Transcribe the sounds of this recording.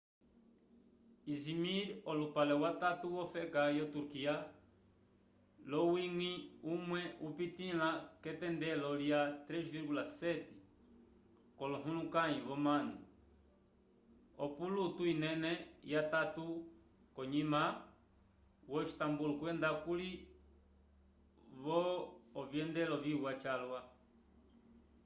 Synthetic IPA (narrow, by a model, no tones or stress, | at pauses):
izimiɾɔlupalɛwat̪atuwɔfɛkajɔt̪uɾkia | lɔwiŋiumwɛupitilakɛtɛndɛlɔljat̪ɾɛʃviɾɡulasɛtɛ̥ | kɔlɔɦũlukaĩβɔmanu | ɔpulutuinɛnɛjatatu | kɔɲima | wɔt͡ʃi̥tambulukwɛnd̪akuli | βɔːvjɛndɛlɔviwat͡ʃalwa